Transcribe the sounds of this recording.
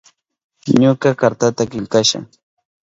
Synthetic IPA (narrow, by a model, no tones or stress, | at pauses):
ɲʊkakaɾt̪at̪akɪʎkaʃa̰ŋ